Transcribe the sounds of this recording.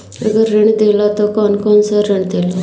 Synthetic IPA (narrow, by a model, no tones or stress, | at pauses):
əɡəɾːəɳd̪elat̪ɔkɔnkɔnsɔɾəɳd̪elɔ